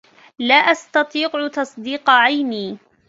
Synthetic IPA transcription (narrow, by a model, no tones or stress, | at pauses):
laːʔast̪ɑt̪ˤiːqʕt̪ɑsˤd̪iːqʕajniː